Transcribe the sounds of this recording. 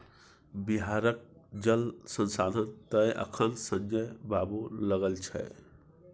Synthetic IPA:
biɦaːɾək̚d͡ʒəlsə̃nsaːnənt̪əjʔə̰kʰənsə̃nd͡ʒəjbaːboləɡəlt͡ʃʰɛ̰

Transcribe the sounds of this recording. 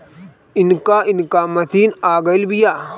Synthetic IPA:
inkaːinkaːmɐt̪iːnaːɡɐjlbijaː

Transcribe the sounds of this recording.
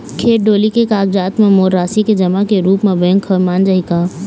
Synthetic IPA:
kʰeːʈ̚ɖoːlikekaːɡd͡ʒaːt̪mẽmoːɾːaːsiked͡ʒɐmakeɾuːpmẽbẽŋkʰəmaːnd͡ʒaikaː

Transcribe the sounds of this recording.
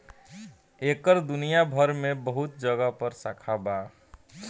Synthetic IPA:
ekəɾd̪unijabʱəɾmebəɦut̪̚d͡ʒəɡəpəɾsakʰaba

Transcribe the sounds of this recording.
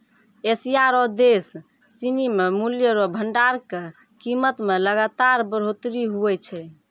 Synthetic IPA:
esijaɾɔd̪esː | inimemuljəɾɔbʱəɳɖaɾke | kimət̪meləɡat̪aɾbəɾ̤ot̪ɾiɦuɛt͡ʃʰɛ

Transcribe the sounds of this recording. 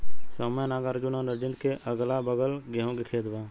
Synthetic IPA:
səməjnaːɡəɾd͡ʒʊnãnəɾd͡ʒɪnd̪keʔəɡlabəɡəlɡãɦõɡekʰeːd̪ʋaː

